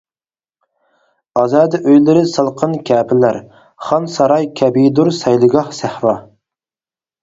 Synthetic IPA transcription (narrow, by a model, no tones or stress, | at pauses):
ɑzɑːd̪ʔøjlɪɾɪsɨlˠqʰənkʲʰɛːpʰɪnlæɾ | χɑnsɑɾɑjkʲʰɛbid̪uɾsɛjlˠɨɡɑhsæhɾɑ